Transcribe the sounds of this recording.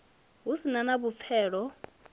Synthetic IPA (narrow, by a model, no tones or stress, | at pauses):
ɦusinanabup̪fʰɛːɺɔ